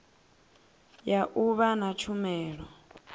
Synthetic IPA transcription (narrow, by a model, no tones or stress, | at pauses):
jaʔuβanat͡ʃʰumɛːɺɔ